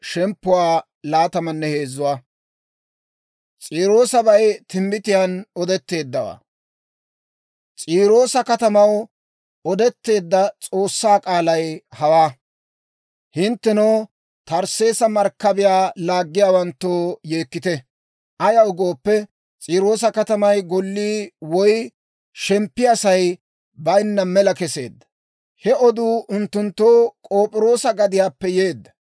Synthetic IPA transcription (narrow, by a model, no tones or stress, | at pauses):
ʃɛmpːʊwaː | laːt̪ɐmɐnːɛhe̞ːzːʊwaː | t͡sʼiːɾo̞ːsɐbɐjt̪ɪmbɪt̪ɪjaːnɔd̪ɛt̪ːe̞ːd̪ːɐwa̰ː | t͡sʼiːɾo̞ːsɐkɐt̪ɐmɐw | ɔd̪ɛt̪ːe̞ːd̪ːɐt͡sʼo̞ːsːaːkʼaːlɐjhɐwaː | hɪnt̪ːɛnoː | t̪ɐɾse̞ːsɐmɐɾkːɐbɪjaːlaːɡːɪjaːwɐnt̪ːoːje̞ːkːɪt̪ɛ | ʔɐjɐʊɡo̞ːpːɛ | t͡sʼiːɾo̞ːs̬ɐkɐt̪ɐmɐjɡɔlːiːwɔj | ʃɛmpːɪɐsɐj | bɐjnːɐmɛlɐkɛse̞̰ːd̪ːɐ̥ | hɛɔd̪uːʔʊnt̪ːʊnt̪ːoːkʼo̞ːpʼɪɾo̞ːsɐɡɐd̪ɪjaːpːɛjeːd̪ːɐ̥